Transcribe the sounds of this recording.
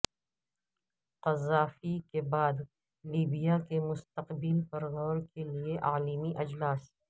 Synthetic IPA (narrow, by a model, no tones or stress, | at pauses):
qɐzaːfikebaːd̪ | liːbijakemʊst̪əqbilpɐɾɣɔːɾkelieʔaːlimiʔɐd͡ʒlaːs